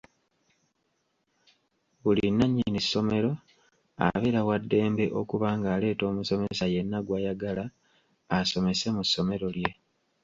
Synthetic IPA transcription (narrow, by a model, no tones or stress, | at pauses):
βulinːaɲːinisːo̞me̞ɾo̞ | a̰βeɾawadːe̞ːmbe̞ʔo̞kuβaːŋɡaːle̞ːto̞ːmuso̞me̞saje̞nːaɡwaːjaɡalaː | so̞me̞se̞musːo̞me̞ɾo̞lje̞